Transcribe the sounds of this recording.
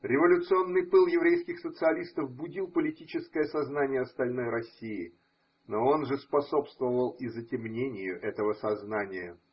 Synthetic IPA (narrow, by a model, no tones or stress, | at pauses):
ɾʲɪvɐlʲʊt̪sɨo̞nːɨjpɨlˠjɪvɾʲejskʲɪxsət̪sɨɐlʲist̪əfbʊdʲilˠpəlʲɪtʲit͡ɕɪskəjəsɐznanʲɪjəɐst̪ɐlʲno̞jɾɐsʲiɪ | no̞o̞nʐɨspɐso̞pst̪vəvəlˠizətʲɪmnʲenʲɪjʊʔɛt̪əvəsɐznanʲɪjə